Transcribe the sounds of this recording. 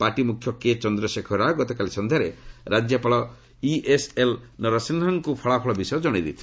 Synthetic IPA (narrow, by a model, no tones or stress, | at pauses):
paʈimukʰjɔket͡ʃɔnd̪ɾɔsekʰɔɾaɡɔt̪ɔkalisɔnd̪ʱjaɾeɾad͡ʒjɔpaɭɔ | iʔeselnɔɾɔsinɔŋkupʰɔɭapʰɔɭɔbisɔjɔd͡ʒɔɽ̃id̪ḭt̪ʰi̥